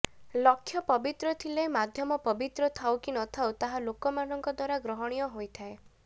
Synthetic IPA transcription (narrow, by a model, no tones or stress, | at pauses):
lɔkʰːjɔpɔbit̪ɾɔt̪ʰilemad̪ʱjɔmɔpɔbit̪ɾɔt̪ʰawkinɔt̪ʰawt̪aɦalokɔmanɔŋkɔd̪waɾaɡɾɔɦɔɽ̃ijɔɦojt̪ʰae